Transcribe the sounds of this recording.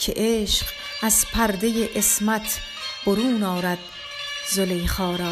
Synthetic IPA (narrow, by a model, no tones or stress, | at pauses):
cʰḛʔeːʃq | æzpʰæɾd̪ejeʔesmæt̪ʰ | b̥oɾuːnɒːɾæd̪̥̚ | zolejχɒːɾɒː